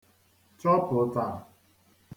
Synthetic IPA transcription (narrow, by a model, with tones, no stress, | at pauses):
tɾɔ˦pʊ˨˦ta˦˨